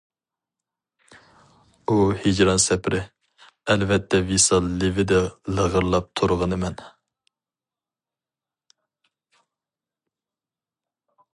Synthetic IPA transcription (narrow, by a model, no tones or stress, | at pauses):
uhid͡ʒɾɑnsɛpɾʔɪ | ɛlvɛt̪ʰːɛvisɑlːɪvɪd̪ɛləʁəɾlˠɑp̚t̪ʰʊɾʁənəmɛn